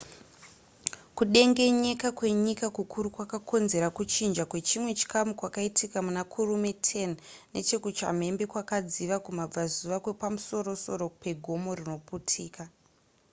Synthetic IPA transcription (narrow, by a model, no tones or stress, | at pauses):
kuɗe̞ŋɡe̞ɲe̞kakwe̞ɲikakukʰuɾukwakakʰo̞nze̞ɾakut͡ʃind͡ʒakwe̞t͡ʃimwe̞t͡ʃi̥kamukwakaitʰikamunakʰurumetʰe̞nne̞̰t͡ʃe̞kut͡ʃa̰m̤e̞mbe̞kwakad͡ziʋakumab͡vazuʋakwe̞pamuso̞ɾo̞so̞ɾo̞pe̞ɡʱo̞mo̞rino̞putʰiːka